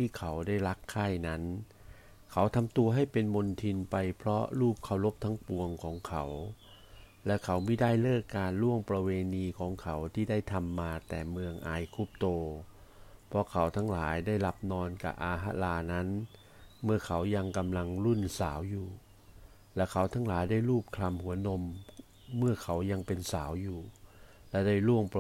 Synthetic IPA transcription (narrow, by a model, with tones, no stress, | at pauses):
t̪ʰiː˥˩kʰa˨˦wdaː˥˩jla˦˥kʰːaː˥˩jna˦˥n | kʰa˩˦wt̪ʰa˧mt̪u˧ɐɦa˥˩jpe˧nmo˧nt̪ʰi˧npa˧jpʰɾɔ˦˥ɾuː˥˩p̚kʰa˧˩wlo˦˥p̚t̪ʰaː˦˥ŋpu˧əŋkʰɔː˩˦ŋkʰa˩˦w | lɛ˦˥kʰa˩˦wmiː˧˥˩daː˥˩jlɤː˥˩kːaː˧nlu˥˩əŋpɾa˧weː˧niː˧kʰɔː˩˦ŋkʰa˩˦wt̪ʰiː˥˩daː˥˩jt̪ʰa˧mːaː˧t̪ɛː˨˩mɯ˧əŋʔaː˧jkʰu˦˥˩p̚t̪oː˧ | pʰɔ˧kʰa˨˦wt̪ʰa˧˥ŋlaː˩˦jdaː˥˩jla˦˥p̚nɔː˧nka̰˨˩ʔaː˧ɦa˦˧˥laː˧na˦˥n | mɯ˥˩ɐkʰa˩˦wja˧ŋka˧mla˧ŋlu˥˩nsaː˩˦wjuː˨˩ | lɛ˦˥˩wkʰa˩˦wt̪ʰa˨˧˥ŋlaː˩˦jdaː˥˩jɾuː˥˩p̚kʰla˧mhu˩˦ɐno˧mː | ɯ˥˩ɐkʰa˨˦wja˧ŋpe˧nsaː˩˦wjuː˨˩ | lɛ˦˧˥daː˥˩jlu˥˩əŋp